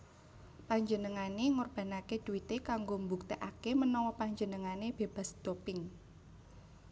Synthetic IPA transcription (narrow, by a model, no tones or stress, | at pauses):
paɲd͡ʒənəŋaneŋorb̥ä̤naked̪̥uwit̪ekaŋɡombuk̚t̪eʔakemənɔwɔpaɲd͡ʒənəŋaneb̥eb̥a̤sd̪̥opɪŋ